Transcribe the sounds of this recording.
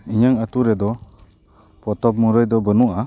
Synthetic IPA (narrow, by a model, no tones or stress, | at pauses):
iɲaŋat̪uɾɛd̪ɔ | pɔt̪ɔp̚muɾɯjd̪ɔbənuʔa